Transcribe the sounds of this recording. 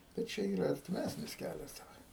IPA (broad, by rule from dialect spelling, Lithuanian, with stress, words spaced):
pʲɛr ˈt͡ʃʲɛ ˈiːrɐ ɐrʲtʲɪˈmʲæsʲnʲɪs ˈkʲælʲɛs dɐˈbɐr